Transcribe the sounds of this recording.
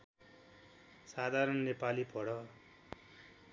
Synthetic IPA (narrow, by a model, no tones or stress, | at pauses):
sad̪ʱaɾʌnnepalipʰʌɽʌ